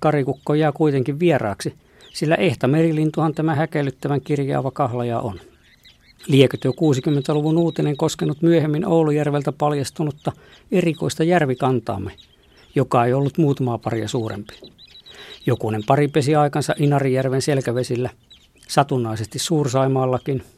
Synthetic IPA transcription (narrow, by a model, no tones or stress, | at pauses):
kɑrikukːojɑːkuit̪eŋkiʋʋierɑ̰ːksi | silːæ̰ʔeht̪æmerilint̪uhɑnt̪æmæhækelːˑyt̪ːæʋæŋkirjɑ̰ːʋɑkɑhlɑjɑʔo̰n | liekøt̪jokuːsikymːent̪æluʋunuːt̪ineŋkoskenːut̪myøhemːinoulujærʋelt̪æpɑljɑst̪unut̪ːɑ | eriko̰ist̪ɑjærʋikɑnt̪ɑ̰ːmːe | jokɑeiolːut̪muːt̪ɑmɑːpɑriɑsuːrḛmpi̥ | jokunempɑripesiɑikɑnsɑ̰ʔinɑrijærʋenselkæʋesilːæ | sɑt̪unːˑɑˑisest̪issuːrsɑimɑːlːɑkin